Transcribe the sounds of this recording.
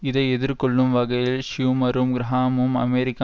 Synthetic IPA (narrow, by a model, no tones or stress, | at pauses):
ɪðɐɪɛðɪɾkɔɭːɯmʋɐɣɐjɪlʃjuːmɐɾɯmɡɪɾɐɦaːmɯmɐ̰meːɾɪkː